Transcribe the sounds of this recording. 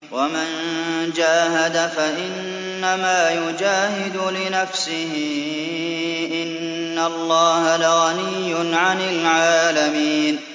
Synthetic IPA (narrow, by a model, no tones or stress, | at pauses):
wamand͡ʒaːɦad̪afaʔɪnː | amaːjʊd͡ʒaːhɪd̪ʊlɪnafsɪɦɪ | ʔɪnː | alːɑːhalaɣanɪjːʊnʕanɪlʕaːlamiːn